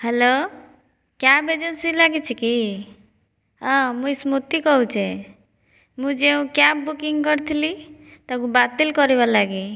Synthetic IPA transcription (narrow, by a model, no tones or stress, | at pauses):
helo | kjabed͡ʒensilaɡit͡ʃʰɛki | ɦãmuismut̪ikɔɦut͡ʃʰɛ | mũd͡ʒeũkjabbukiŋɡkɔɾt̪ʰilit̪ɔkũbat̪elkɔɾebalaɡi